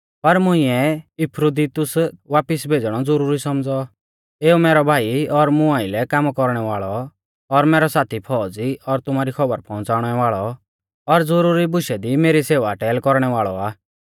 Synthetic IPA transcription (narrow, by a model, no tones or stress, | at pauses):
pɐɾmʊ̃ĩɛɪpʰɾod̪it̪ʊsʋaːpɪsbʱeːd͡zɽ̃ɔd͡zɔɾuːɾisɔmd͡zɔ | eːumeːɾɔbʱaːiɔɾmʊ̃aːilɛkaːmkɔɾɽ̃ɛʋaːɭɔ | ɔɾmɛːɾɔsaːt̪ʰipʰɔːd͡ziɔɾt̪ʊmaːɾikʰɔbəɾpʰɔ̃ʊ̃nt͡saːʊɽ̃ɛʋaːɭɔ | ɔɾd͡zɔɾuɾibʊʃɛd̪imeːɾiseːʋaʈɛːlkɔɾɽ̃ɛʋaːɭɔaː